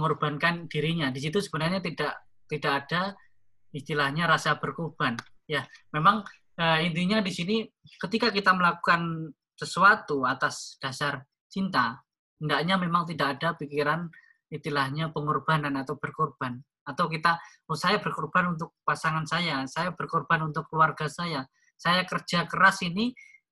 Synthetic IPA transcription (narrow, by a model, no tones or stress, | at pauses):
məŋɔrb̥ankandiɾiɲadis̬it̪usəbənarɲat̪idaʔ | t̪idakad̥a | ist̪ilahɲaɾasab̥ərkurb̥an | jamemaŋ | əint̪iɲadisinikət̪ikakit̪aməlaku̥kan | səsuat̪uat̪asd̥asar | t͡ʃint̪a | əndaʔɲamemaŋt̪̬idakadapikiɾan | it̪ilahɲapəŋɔrb̥ananat̪awb̥ərkɔrb̥an | at̪awk̬it̪a | osajabərkurb̥anunt̪ʊk̚pasaŋansajasajabərkɔrb̥anunt̪ʊkluwarɡasaja | sajakərd͡ʒ̥akəɾasini